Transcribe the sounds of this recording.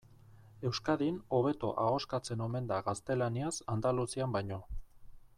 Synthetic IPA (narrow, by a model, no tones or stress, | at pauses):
e̞wskaðino̞β̞e̞t̪o̰ʔaɣo̞skat͡se̞no̞me̞nd̪aɣast̪e̞laniasand̪alusiambajɲo̞